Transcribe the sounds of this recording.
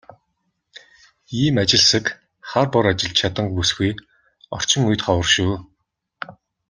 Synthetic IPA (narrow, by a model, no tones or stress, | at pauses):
iːmat͡ɕɪ̆ɮsə̆k | χarpɔɾat͡ɕɪ̆ɮt͡ɕʰat̪ə̆ŋpusxuj | ɔ̰r̥t͡ɕɪ̆ŋujt̪χɔwə̆rʃuː